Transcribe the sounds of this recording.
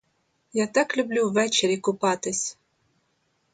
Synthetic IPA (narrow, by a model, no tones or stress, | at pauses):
jat̪ɑklʲublʲuvɛt͡ɕeɾʲikʊpɑt̪ɨsʲ